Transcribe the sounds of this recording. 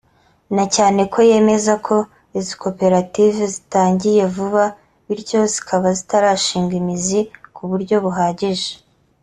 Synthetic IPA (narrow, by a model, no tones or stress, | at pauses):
nacaːne̞kʰo̞je̞ːme̞zakʰo̞ | iziko̞pe̞ɾativezitaːɲɟije̞vuβa | βiɾɟo̞zi̥kʰaβazitaɾaːʃiːŋɡimizikuβuɾɟo̞βuɦaːɟiʒe̥